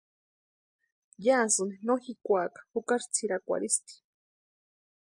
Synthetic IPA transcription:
jaːsɨninoxikʷakḁhukaɾt͡sʰiɾakʷa̰ɾist̪i̥

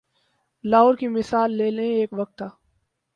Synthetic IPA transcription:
laːɾkimɪsaːlːeːlẽeːkʋɐk̚t̪ʰːaː

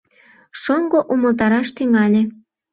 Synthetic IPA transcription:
ʃoŋɡoʔuməlt̪ɑɾɑʃt̪yŋɑlʲe

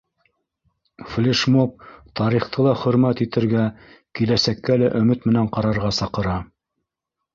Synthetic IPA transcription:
flʲeʃmop̚t̪ɑɾiχt̪ʰɤlˠɑχɵ̆ɾmæt̪it̪ɘ̆ɾɡæ | kilæsækːælæʔɵ̆mɘt̪mɘ̆næɴqɑɾɑɾʁɑsɑqɤ̆ɾɑ

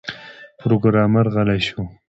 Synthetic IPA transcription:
pɾoɡɾɑːmaɾɣalaɕu

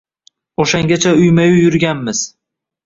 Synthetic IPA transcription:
oʃaŋɡʲat͡ʃʰaʊjmajʊjʊɾɡʲanmɪz̥

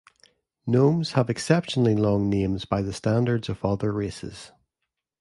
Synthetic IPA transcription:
nõmz̥əvɛksɛpʃənəl̩ˠilˠɔ̃ŋnẽmzbaɪðəstãndə˞dz̥əvʌðə˞ɹesɪ̰z̥

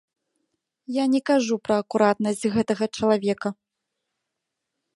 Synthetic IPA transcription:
janʲɛkaʐupɾɐːkuɾat̪̚nɐsʲt͡sʲɣɛt̪ɐɣɐt͡ʂɐlˠavʲɛkɐ

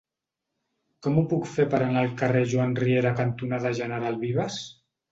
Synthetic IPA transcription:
kɔmupukfepəɾanəlˠkareʒuanrieɾakant̪unaðəʒənəɾalˠβiβəs

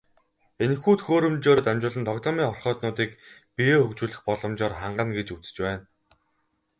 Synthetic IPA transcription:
enxuːt̪xoːɾɵ̆mt͡ɕoːɾ̆t̪æmʲt͡ɕʊːɮɘ̆nt̪ʰɔɣt̪ɔːmiːŋχɔrχœːt̪nʊːt̪iːkpijeːxɵkt͡ɕuːɮɘ̆xpɔɮɞ̆mt͡ɕɔːrχaɴɢə̆nɡet͡ɕut͡sɘ̥̆t͡ɕpæːn

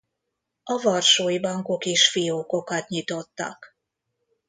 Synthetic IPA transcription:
ɒvɒrʃoːjibɒŋko̞keːʃfijoːko̞kɒt̪ɲit̪o̞t̪ːɒ̰k

